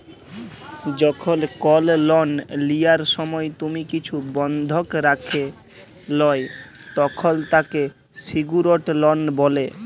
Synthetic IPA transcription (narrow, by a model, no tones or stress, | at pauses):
d͡ʑɔkʰolkɔllɔnlijaɾʃɔmɔet̪umikit͡ɕʰubɔnd̪ʱokɾakʰe | lɔe | t̪ɔkʰolt̪ake | siɡuɾoʈlɔnbole